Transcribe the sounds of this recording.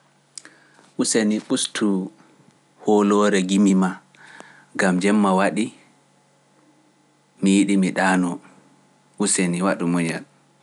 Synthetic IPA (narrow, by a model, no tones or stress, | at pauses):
ʔuseniɓustʰu | hɔlɔɾɛɡimima | ɡamd͡ʒɛmːawaɗi | mijiɗimiɗaːnɔ | ʔuseniwaɗumɔɲal